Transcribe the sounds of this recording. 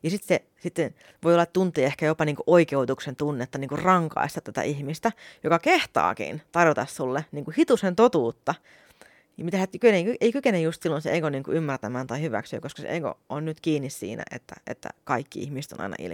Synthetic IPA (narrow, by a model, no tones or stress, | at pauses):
jɑsit̪se | sit̪ːen | ʋoiolːɑt̪t̪unt̪ˑiːehkæjopɑniːŋkuʔoikeut̪uksent̪unːet̪ːɑniːŋkurrɑŋkɑ̰ist̪ɑt̪æt̪æ̰ʔihmist̪æjokɑkeht̪ɑ̰ːkḭnt̪ɑrjot̪ɑssulːeniːŋkuhit̪usent̪ot̪uːt̪ːɑ | jmit̪æsykeneikyeikykenejjust̪silːonseeikoniːŋkṵʔymːært̪æmæːnt̪ɑihyʋæ̰ksø̰ːkoskɑsḛʔeiko̰onnyt̪kiːnːissḭːnæ̰ʔḛt̪ːæ̰ʔḛt̪ːæ̰kɑikːiḭhmist̪o̰nʔɑ̰ḭnɑ̰ʔḭl